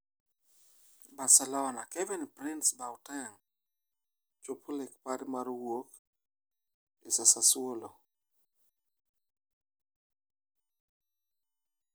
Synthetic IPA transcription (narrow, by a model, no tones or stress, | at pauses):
basalana̰kɛvinpɾɪnsbawtaŋ | t͡ʃopʰolɛkpaɾɪmaɾwok | ɪsasaswolo